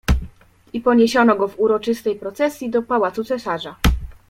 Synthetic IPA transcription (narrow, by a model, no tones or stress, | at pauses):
ipɔɲeɕɔnɔɡɔvuɾɔt͡ʂɘst̪ɛjpɾɔt̪sɛsʲjid̪ɔpawat̪sut̪sɛsaʐa